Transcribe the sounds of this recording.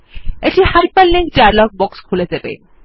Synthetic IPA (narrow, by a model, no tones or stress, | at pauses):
eʈihaɾpalːiŋkt͡ɕaɾlɔk̚bɔkskʰuled̪ebḛ